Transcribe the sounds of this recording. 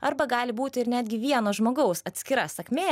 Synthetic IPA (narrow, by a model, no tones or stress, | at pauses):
ɐ̰ɾbɐɡɑːlʲɪbuːt̪ʲɪɪɾnʲæːd̪ʲɡʲɪʋʲiɛnoːʒmoːɡɐʊsɐt̪ʲsʲkʲɪɾɐsɐkʲmʲeː